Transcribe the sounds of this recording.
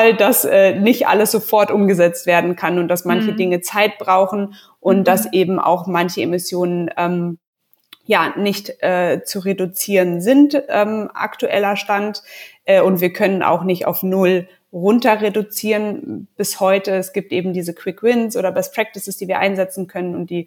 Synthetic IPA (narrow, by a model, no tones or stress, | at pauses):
aldasɛːnɪçtʔa̰ləsz̥ofɔɐtʔʊmɡəzɛt͡stv̥eːɐdn̩kʰanʊntd̥asmançədɪŋət͡saɪt̚b̥ʁaʊxn̩ | ʔʊnt̚d̥asʔeːbm̩ʔa̰ʊxmançəḛmɪsjoːnənʔɛːm | jaːnɪçtʔɛːt͡suʁedut͡siːʁənzɪntʔɛːmʔa̰ktuʔɛ̰lɐʃtantʔɛːʊntv̥iːɐkʰœnənʔa̰ʊxnɪçta̰ʊfnʊl | ʁʊntɐʁedut͡siːʁənb̥ɪshɔʏtəɛsɡ̥iːp̚tʔeːbm̩diːzəkʰw̥ɪkwɪnsʔoːdɐbɛspʁ̥ɛk̚tɪsɪsd̥iːviːɐʔaɪnzɛt͡sn̩kʰœnənʊnt̚d̥iː